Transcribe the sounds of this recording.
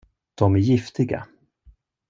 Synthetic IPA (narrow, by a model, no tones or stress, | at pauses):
d̪̥ɔmæɾjɪft̪ɪɡa̰